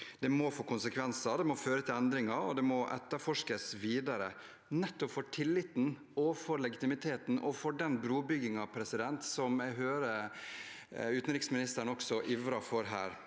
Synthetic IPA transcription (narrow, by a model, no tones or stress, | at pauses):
d̪̥ɛmɔfoːkʰʊnsəkʰʋɛnsɑd̪ɛmɔføːɾət̪ʰɪlɛnd̪ɾɪŋɑɔ̰d̪ɛmɔʔɛ̰t̪ːəɾfɔʂkəsʋiːd̪ɑɾə | nɛt̪ːɔpfɔʈʰɪlːɪt̪n̩ | ɔfɔɾlɛɡɪt̪ɪmɪt̪ʰeːt̪n̩ʔɔfɔɖɛnbɾuːbʏɡɪŋɑʋpʰɾɛsɪd̪ɛnt̪sɔmæɦøːɾə | ʉːt̪nɾɪːksmɪnɪst̪əɾɳɔksɔʔɪʋɾɑfɔɾɦæːɾ